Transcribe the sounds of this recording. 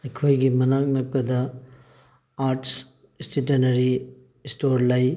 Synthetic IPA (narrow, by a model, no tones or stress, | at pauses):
ɐjkʰojɡimɐnak̚nɐpɐdɐ | aɾts | stʰit̬enɐɾi | stoɾlɐj